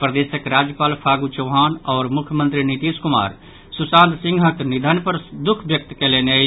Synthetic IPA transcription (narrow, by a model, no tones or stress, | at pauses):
pɾəd̪esəkɾad͡ʒjəpaːlpʰaːɡut͡ʃəʊɦaːnɔːɾmukʰjəmə̃nt̪ɾinit̪iskuma̰ːɾ | susãnt̪sĩŋɡʱɦəknid̪ʱənpəɾd̪ukʰbjək̚t̪kɛleneə